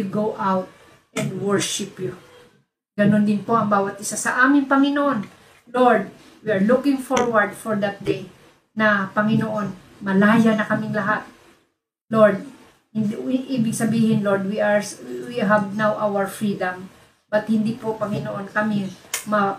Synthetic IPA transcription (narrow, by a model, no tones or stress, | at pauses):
wɪɡowʔawt̪̚ | ʔɛ̃nd̪wɛɹʃɪpjʊ | ɡɐnond̪ɪnpo̞ʔɐŋbaːwɐt̪̚ʔɪsasɐʔaːmɪŋpɐŋɪnoʔon | loɹd̪̚ | wiɐɹlukɪŋfoɹwɐɹd̪foɹd̪ɐt̪̚d̪ej | nɐpɐŋɪnoʔo̞n | mɐlaːjɐnɐkɐmɪŋlɐɦat̪̚ | loɹd̪̚ | hɪnʔiːbɪɡ̚sɐbiːhɪnloɹd̪wiawiɦɐvnawʔawɐɹfɹid̪ɐm | b̥ɐt̪̚hɪnd̪ipopɐŋɪnoʔonkɐmɪmɐ